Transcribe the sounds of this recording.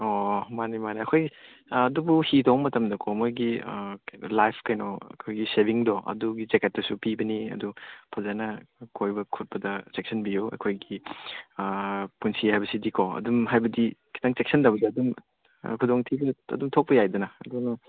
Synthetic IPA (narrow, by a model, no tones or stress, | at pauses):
omanimaniɐkʰoj | ɐdubuhidomɐtɐmdɐkʰɔmojɡi | lajpʰkɐjnɔɐ̰kʰojɡisebiŋdɔʔɐ̰duɡid͡ʒeket̚ːɐsupibɐniɐ̰dupʰɐzanɐkʰojbɐkʰut̚pɐdɐt͡ʃek̚sɐnbijowɐ̰kʰojɡi | punsihajbɐsidikʰɔɐ̰dumɦajbɐdikʰi̥tʰaŋt͡ʃek̚sɐndabɐdɐɐdum̰ | kʰudoŋtʰibɐɐ̰dumtʰok̚pɐjajdɐnɐɐdunɐ